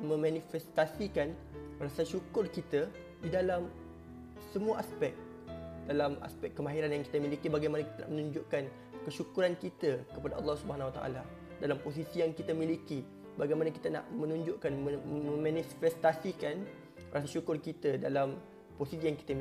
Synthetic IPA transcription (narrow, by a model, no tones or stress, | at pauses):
mə̃mãnifɛst̪asikanrasaʃukʊrkit̪a | didalam | səmũaʔaspɛk̚ | d̥alama̰spɛkːəmaɦiɾanjaŋki̥t̪amilikibaɡajmanakit̪ana̰ʔmənũɲd͡ʒʊʔkan | kəʃukuɾankit̪əkəpadaʔɑ̰lːɑhsubəɦanwat̪a̰ʔa̰la | dalampos̬isijaŋkit̪amiliki | baɡajmanaki̥t̪ana̰ʔmə̃nũɲd͡ʒʊʔkanmə̃mãnifɛst̪asikan | rasaʃukʊrkit̪adalam | posisijaŋki̥t̪ai